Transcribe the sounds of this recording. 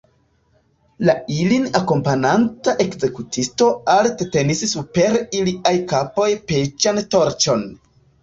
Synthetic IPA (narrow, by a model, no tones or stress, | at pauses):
lailinako̞mpanantaʔe̞kze̞kutʰisto̞altete̞nissupe̞ɾiliʔajkapo̞jpet͡ʃanto̞ɾt͡ʃo̞n